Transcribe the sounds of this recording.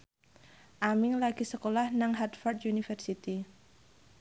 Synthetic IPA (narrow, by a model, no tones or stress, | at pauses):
ʔamɪŋlaɡ̥isəkolahnaŋɦat̪fɔrd̪junifərsit̪i